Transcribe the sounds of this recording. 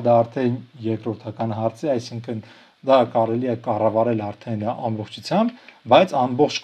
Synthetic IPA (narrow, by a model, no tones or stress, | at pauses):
d̪ɑːɾt̪ʰɛnjɛɾkɾɔɾt̪ʰɑkɑnɦɑɾt͡sʰɛɑjsiŋkʰən | d̪ɑkɑɾɛliɛkɑrɑvɑɾɛlɑɾt̪ʰɛnɑ̰mbɔχt͡ʃʰut͡sʰjɑmbbɑjt͡sʰɑmbɔχt͡ʃʰ